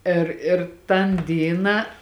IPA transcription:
ˈɪr ɪr tɐn ˈdʲiːnɑː

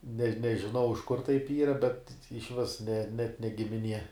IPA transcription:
nʲɛ nʲɛʒʲɪˈnɐʊ ɪʃ kʊr tɐɪp ˈiːrɐ bʲɛt ɪʃʲˈʋʲɪs nʲɛ nʲɛt nʲɛ ɡʲɪmʲɪˈnʲiɛ

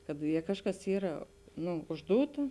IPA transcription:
kɐt ˈjɛ ˈkɑːʃˌkɐs ˈiːrɐ ˈnʊ ʊʒˈduːtɐ

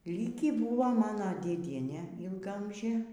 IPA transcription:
ˈlʲiːkʲiː ˈbʊʋoː ˈmɑːnoː dʲeːˈdʲiɛnʲeː ɪlˠɡɐˈɐmʲʒʲeː

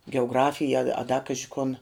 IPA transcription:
ɡʲɛʊˈɡrɑːfʲɪjɛ ɐ ɐ dɐ ˈkɑːʒʲɪ kʊn

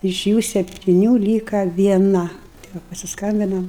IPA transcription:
ɪʃ ˈjuː sʲɛpʲtʲɪˈnʲuː ˈlʲiːkɐ ʋʲiɛˈnɐ tɐɪ ˈʋɐ pɐsʲɪsˈkɐmʲbʲɪnɐm

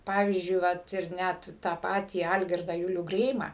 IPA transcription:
ˈpɑːʋʲiːzʲd͡ʒʲʊɪ ˈʋɐt ɪr ˈnʲæt tɑː ˈpɑːtʲiː ˈɐlʲɡʲɪrdɑː ˈjʊlʲuː ˈɡrʲɛɪmɑː

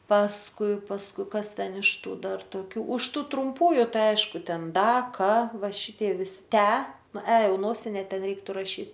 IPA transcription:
pɐsˈkʊɪ pɐsˈkʊɪ ˈkɐs ˈtʲɛn ɪʃ ˈtuː ˈdɐr toːˈkʲuː ʊʃ ˈtʊ trʊmˈpuːjʊ ˈtɐɪ ˈɐɪʃkʊ ˈtʲɛn ˈdɐ ˈkɐ ˈʋɐ ˈʃʲɪtʲiɛ ˈʋʲɪsʲɪ ˈtʲæː ˈnʊ æː ˈjɛʊ ˈnoːsʲɪnʲɛ ˈtʲɛn ˈrʲɛɪktʊ rɐˈʃʲiːt

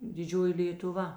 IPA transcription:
dʲɪˈd͡ʒʲoːjɪ lʲeːtʊˈʋɐ

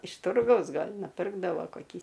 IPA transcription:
ɪʃ ˈtʊrɡɐʊs ˈɡɐlʲ nʊˈpʲɪrɡdɐʋoː koːˈkʲiː

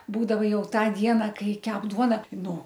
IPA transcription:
ˈbuːdɐʋɐ ˈjɛʊ ˈtɑː ˈdʲiɛnɐ ˈkɐɪ ˈkʲɛp ˈduɔnɐ ˈtɐɪ ˈnuː

